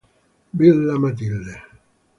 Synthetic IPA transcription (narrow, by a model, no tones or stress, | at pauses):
bilːæmat̪ilːe